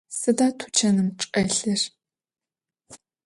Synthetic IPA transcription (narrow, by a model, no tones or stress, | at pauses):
sɨdaːtʰu̥t͡ʃʰɐnɨmʈ͡ʂʼɐɬɨr